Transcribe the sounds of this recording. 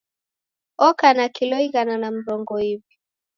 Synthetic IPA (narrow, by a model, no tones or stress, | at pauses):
ɔkanakilɔiɣananam̩ɾɔŋɡɔivi